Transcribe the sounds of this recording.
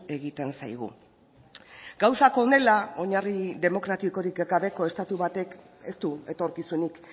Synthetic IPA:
e̞ɣit̪e̞nsa̰jɣ̞ṵ | ɡ̥awsako̞ne̞lao̞ɲariðe̞mo̞kɾat̪iko̞ɾikɡaβe̞ko̞e̞st̪at̪uβat̪e̞k | e̞st̪ue̞t̪o̞ɾkisunik

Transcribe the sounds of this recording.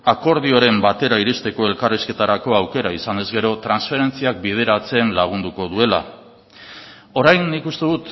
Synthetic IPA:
ako̞ɾð̞io̞ɾe̞mbat̪e̞ɾaiɾist̪e̞ko̞e̞lkariske̞t̪aɾako̞awke̞ɾaisane̞zɣe̞ɾo̞t̪ɾansfe̞ɾe̞nt͡siak̚bið̞e̞ɾat͡se̞nlaɣ̞und̪uko̞ðue̞la̰ | o̞ɾajnːikust̪e̞ðut̪

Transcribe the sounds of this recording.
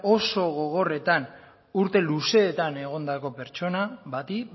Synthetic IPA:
o̞so̞ɣo̞ɣ̞o̞re̞t̪an | uɾt̪e̞luse̞ːt̪ane̞ɣ̞o̞nd̪ako̞pe̞ɾt͡ʃo̞naβat̪i

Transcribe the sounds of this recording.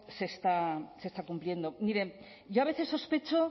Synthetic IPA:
se̞st̪ase̞st̪akumplje̞nd̪omiɾe̞ | ʝo̞aβ̞e̞θe̞sːo̞spe̞t͡ʃo

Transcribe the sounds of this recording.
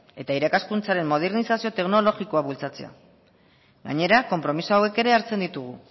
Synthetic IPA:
e̞t̪aiɾakaskunt͡saɾe̞mmo̞ð̞eɾnisasio̞t̪e̞kno̞lo̞ɣiko̞aβult͡sat͡sea̰ | ɣa̰ɲe̞ɾako̞mpɾo̞misoawe̞ke̞ɾe̞aɾt͡se̞nd̪it̪uɣ̞u

